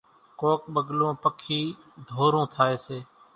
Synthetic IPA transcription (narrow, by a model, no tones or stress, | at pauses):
koːk̚ɓəɠlõːpəkʰiː | d̪ʱoːɾõːt̪ʰaːeːseː